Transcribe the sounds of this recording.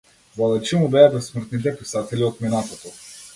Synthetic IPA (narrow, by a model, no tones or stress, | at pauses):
valˠɛt͡ʃimubɛabɛsmr̩t̪nit̪̬ɛpisat̪ɛliot̪minat̪ot̪ɔ